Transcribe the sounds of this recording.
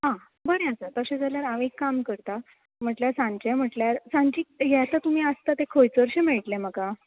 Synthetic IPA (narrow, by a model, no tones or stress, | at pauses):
ɦã | bəɾẽəsat̪əɕẽd͡zaljaɾaʋekːamkəɾt̪a | m̤əʈljaɾsãɲt͡ɕem̤əʈljaɾsãɲt͡ɕiːjɛt̪ət̪um̤iːəst̪at̪ekʰojt͡səɾɕemeɭʈlẽməka